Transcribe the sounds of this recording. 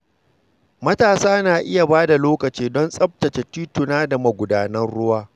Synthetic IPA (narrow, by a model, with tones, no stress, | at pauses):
mɐ˦taː˨saː˦naː˨ʔɪ˦ja˨baː˦da˨loː˦kɐ˨t͡ʃiː˦dɔ˦nsʼɐ˦b̚tɐ˨t͡ʃe˨tiː˦tʊ˨naː˦da˨mɐ˨ɡʷʊ˨daː˦nɐ˦rɽʊ˦waː˦